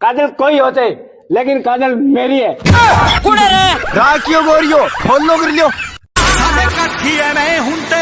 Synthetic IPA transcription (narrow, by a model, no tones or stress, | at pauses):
kaːd̪əlkoːiːɦoːt̪e | leːkɪnkaːd̪əlmeːɾiːɛːkʊneɾaːkijoːɡoːɾɪjoːpʰoːlnoːɡəɾljoːsʰaːnekɐkʰiːɦɛːnɐĩɦũnt̪eː